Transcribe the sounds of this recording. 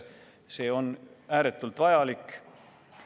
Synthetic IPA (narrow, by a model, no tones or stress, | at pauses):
se̞ːo̞næːɾe̞t̪ːˑult̪vɑjɑlikː